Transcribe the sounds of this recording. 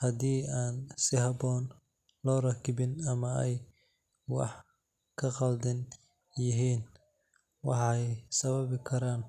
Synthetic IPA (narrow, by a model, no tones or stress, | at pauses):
hɐd̪iːaːnsɪhɐbɔːn | lɔːrɐkʰɪbɪnɐmɐɛj | wɑ̰ħ | kʰɐqɑld̪ɪn | jɪɦiːn | wɑħɛjsɐβɐβɪkʰɐɾaːn